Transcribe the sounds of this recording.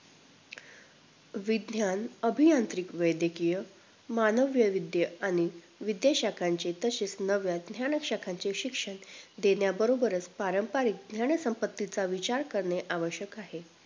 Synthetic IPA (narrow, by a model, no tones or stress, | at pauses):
ʋid̪njanəbʱijant̪ɾikʋəjd̪jəkijə | manəʋjəʋid̪jəaɽ̃i | ʋid̪jaɕakʰaɲt͡ɕet̪əset͡snəʋjad̪njaɳəkɕakʰãɲt͡ɕeɕikʂəɳd̪enjabəɾobəɾət͡spaɾəmpaɾiːk̚d̪njaɳəsəmpət̪ːit͡saʋit͡ɕaɾkəɾɳeʔaʋəɕjəkaɦe